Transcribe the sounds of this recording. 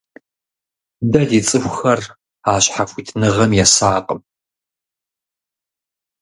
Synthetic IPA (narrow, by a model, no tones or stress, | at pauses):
dɐdiːt͡sʼɨxʷxɐr | aːɕħafʷitʰnɨʁɐmjɛsaːqʼəm